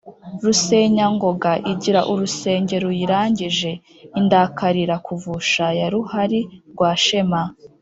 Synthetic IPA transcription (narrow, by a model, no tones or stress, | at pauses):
ɾuse̞ɲaŋɡo̞ɡaʔiɟiɾaʔuɾuse̞ːɲɟe̞ɾujiɾaːɲɟiʒe̞ | indakaɾiɾakuvuʃajaɾuhaɾiɾɡwaːʃe̞ma